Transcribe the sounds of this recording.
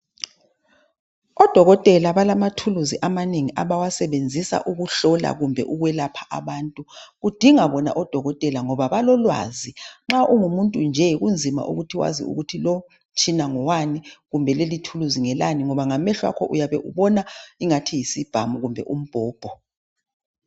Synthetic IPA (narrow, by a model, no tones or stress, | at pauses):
ɔd̥ʱɔɣɔtʼɛlaβalamatʰuluziʔamaneŋiʔaβawasɛβend͡zʱisa̰ʔuɣuɬɔla̰ɣumbʱɛ̰ʔuɣwɛlapʰḁʔa̰βaːntʼuɣud̥ʱiŋaβɔna̰ʔɔd̥ʱɔɣɔtʼɛlaŋɔβaβalɔlwa̰ziŋ͡ǁaʔuŋumuntʼund͡ʒʱɛɣund͡zʱima̰ʔṵɣutʰiwa̰zḭṵɣutʰilɔ | t͡ʃʰʼinaŋɔwaniɣumbʱɛlelitʰuluziŋɛlaniŋɔβaŋamɛɬwa̰kʰɔʔujaβɛʔṵβɔnaiŋatʰijisib̥ʱamuɣumbʱɛ̰ʔum̩b̥ʱɔːb̥ʱɔ